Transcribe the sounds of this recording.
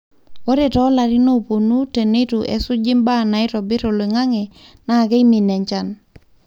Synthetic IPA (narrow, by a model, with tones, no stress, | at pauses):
o˦ɾe˨tɔ˨˦la˨ɾi˦no˦po˨nu˦te˨ne˦tu˨ʔḛ˨su˦d͡ʒi˦mba˦˨na˨ɪ˦tɔ˨bɪ˦ɾo˨le˨ŋa˦ŋe˨na˨ke˦i˦mi˨nɛ˨ɲt͡ʃa˦˨n